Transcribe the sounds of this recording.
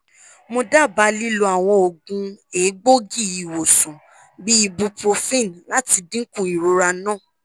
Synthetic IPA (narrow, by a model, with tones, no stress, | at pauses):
mo˧da˦˨ba˧˦li˦lo˧a˨w̃ɔ̃˧o˨ɡũ˧eː˨˦ɡ͡bo˦ɡi˦˨i˨wo˨sɔ̃˨ | bi˦i˧bũ˧pɾo˧fĩ˦˨nla˦ti˧dĩ˦kũ˦˨i˨ɾo˧ɾa˧nãː˦˨